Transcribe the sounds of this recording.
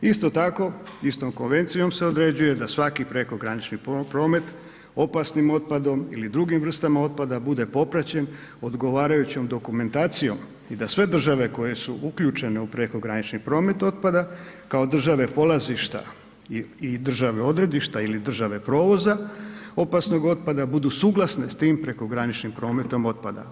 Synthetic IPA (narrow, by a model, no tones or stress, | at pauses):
ist̪o̞t̪ako̞ist̪o̞mko̞nʋe̞nt̪sijo̞mse̞od̪ɾe̞d͡ʑuje̞d̪asʋakipɾe̞ko̞ɡɾanit͡ʃnippɾo̞ːme̞t̪ | o̞pasnimo̞t̪̚pad̪o̞mḭlid̪ɾuɡimʋr̩st̪amao̞t̪̚pad̪abud̪e̞po̞pɾat͡ɕe̞n | o̞d̪ɡo̞ʋaːɾajut͡ɕo̞md̪o̞kume̞nt̪aːt̪sijo̞m | id̪asʋe̞d̪r̩ʒaʋe̞ko̞je̞suʔukʎut͡ʃe̞ne̞upɾe̞ko̞ɡɾanit͡ʃnipɾo̞ːme̞t̪o̞t̪̚pad̪akao̞d̪r̩ʒaʋe̞po̞lˠaziʃt̪a̰ | id̪r̩ʒaʋe̞o̞d̪ɾe̞d̪iʃt̪ailid̪r̩ʒaʋe̞pɾo̞ːʋo̞zao̞pasno̞ɡo̞t̪̚pad̪abud̪usuːɡlˠasne̞st̪iːmpɾe̞ko̞ɡɾanit͡ʃnimpɾo̞ːme̞t̪o̞mo̞t̪̚pad̪a̰